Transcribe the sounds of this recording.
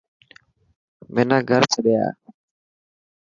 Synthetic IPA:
meːnãːɡʱəɾt͡ʃʰəɗja̰ː

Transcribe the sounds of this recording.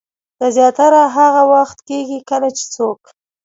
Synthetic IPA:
d̪̥azjɑt̪aɾaɦaɣawaxt̪keɡikənat͡ʃe̥t͡sok

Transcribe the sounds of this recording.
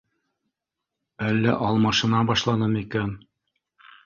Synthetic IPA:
ælːæ̰ʔɑlˠmɑʃɤ̆nɑbɑʃlˠɑnɤmikæn

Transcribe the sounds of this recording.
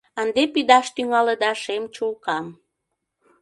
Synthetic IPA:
ənd̪epid̪ɑʃt̪yŋɑləd̪ɑʃemt͡ɕulkɑm

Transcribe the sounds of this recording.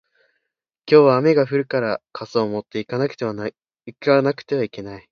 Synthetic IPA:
kʲo̞ːβaːme̞ɡaɸɯ̟ɾɯ̟kaɾakʰasoːmo̞t̪ːe̞ikanakɯ̥t̪eβan | ikanakɯ̟̥t̪e̞β̞aike̞nai

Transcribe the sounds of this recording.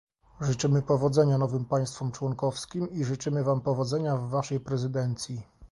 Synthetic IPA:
ʐɘt͡ʂɘmɘpɔvɔd̪zɛɲanɔvɘmpaj̃st̪fɔmt͡ʂwɔnkɔfskʲimiʐɘt͡ʂɘmɘvampɔvɔd̪zɛɲavːaʂɛjpɾɛzɘd̪ɛnt̪sʲji

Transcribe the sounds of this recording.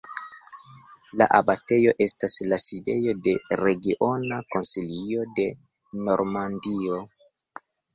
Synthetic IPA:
la̰ʔabate̞jo̞ʔe̞staslaside̞jo̞de̞ɾe̞ɡiʔo̞nako̞nsilio̞de̞ | no̞ɾmandio̞

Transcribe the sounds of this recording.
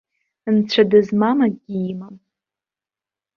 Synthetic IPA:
ɨnt͡ɕʷʰadɨzmamaɡʲiimam

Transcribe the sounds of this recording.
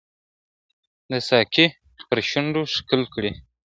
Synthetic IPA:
d̪əsɑki | pəɾʃʊnɖoʂkəlkɽi

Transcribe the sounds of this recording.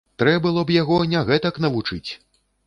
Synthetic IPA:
t̪ɾɛbɨlˠɔbjaɣɔnʲaɣɛt̪ɐknɐvut͡ʂɨt͡sʲ

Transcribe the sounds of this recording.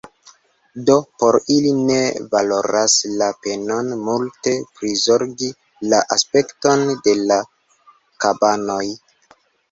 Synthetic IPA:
do̞po̞ɾiline̞valo̞ɾaslape̞no̞nmulte̞pɾizo̞ɾɡi | laʔaspe̞kto̞nde̞la | kabano̞j

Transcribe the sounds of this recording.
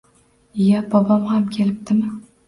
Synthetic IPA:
jabɒbɒmhamkʲʰe̞lɪp̚t̪ɪmɪ

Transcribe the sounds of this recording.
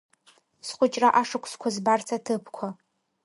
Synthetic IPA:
sχʷʊt͡ʃʼraʔaʂɨkʷʰʼskʷʰɔzbart͡sʰɐtʰɨpʰkʷʰɔ

